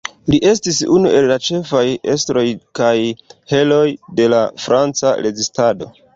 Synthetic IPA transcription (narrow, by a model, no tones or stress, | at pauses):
liʔe̞stisunuʔe̞lːat͡ʃe̞faje̞stɾo̞jkajhe̞lo̞jde̞lafɾant͡saɾe̞ɡistado̞